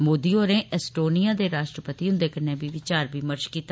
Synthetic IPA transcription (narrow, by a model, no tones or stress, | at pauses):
moːd̪iːoːɾẽːʔɛsʈoːnijaːd̪eːɾaːʃʈɾəpət̪iːɦʊ̃nd̪eːkənẽːbiːʋɪt͡ʃaːɾbiːməɾt͡ʃkiːt̪a